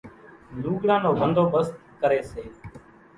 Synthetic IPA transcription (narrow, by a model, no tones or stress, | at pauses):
luːɡɽãːnoːbənd̪ʱoːbəst̪kəɾeːseː